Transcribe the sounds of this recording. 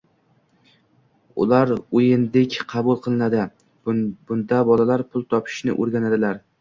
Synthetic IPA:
ʊ̰laɾojɪnd̪ɪkʲqʰɑbʊlˠqʰɨlˠɪnad̪ɪ | bʊnd̪abɒlalaɾpʰʊlˠt̪ʰɒpʰɪ̥ʃnɪ̰ʔoɾɡʲanad̪ɪlaɾ

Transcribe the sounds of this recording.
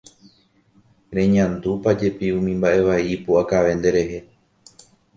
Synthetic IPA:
ɾẽ̞ɲãnd̪upad͡ʒe̞piũmĩmbaʔe̞ʋaipuʔakaʋe̞nd̪e̞ɾe̞ɦe̞

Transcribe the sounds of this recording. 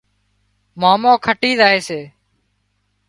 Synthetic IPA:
maːmõːkʰəʈiːzaːɦeːseː

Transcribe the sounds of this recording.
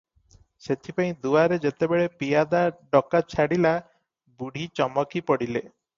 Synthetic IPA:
set̪ʰipaĩd̪uaɾed͡ʒet̪ebeɭepijad̪aɖɔkat͡ʃʰaɽila | buɽ̤ʱit͡ʃɔmɔkipɔɽile

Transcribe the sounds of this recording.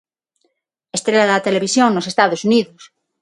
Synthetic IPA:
est̪ɾelaðɐt̪eleβ̞isjoŋnosest̪aðosuniðos

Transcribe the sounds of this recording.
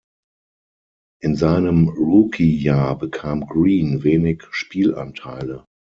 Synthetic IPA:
ʔɪnzaɪnəmʁukʰijaːɐbəkʰaːmɡʁiːnveːnɪçʃpʰiːlã̰ntʰaɪlə

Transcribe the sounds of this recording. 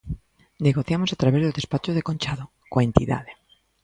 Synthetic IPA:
neɣoθjamosat̪ɾaβezðoðespat͡ʃoð̞ekõnt͡ʃaðo | koaent̪iða̰ð̞e

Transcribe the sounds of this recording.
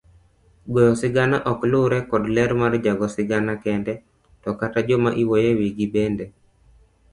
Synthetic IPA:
ɡojɔsɪɡanaʔɔklʊɾɛkɔdlɛɾmard͡ʒaɡɔsɪɡanakɛndɛ | tɔkatad͡ʒɔmaʔiwojewiɡibendɛ

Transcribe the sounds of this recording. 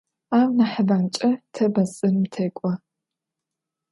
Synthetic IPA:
aːwnaħəbaːnt͡ʃʼɐtʰɐbɐsʼɨnmtʰɐjkʷʼɔ

